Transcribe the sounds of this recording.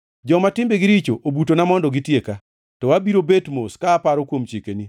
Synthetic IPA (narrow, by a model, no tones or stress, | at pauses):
d͡ʒɔmatɪmbeɡɪɾit͡ʃoʔobutonamɔndɔɡitjeka | tɔwabiɾobetmoskaːpaɾɔkwomt͡ʃjekeni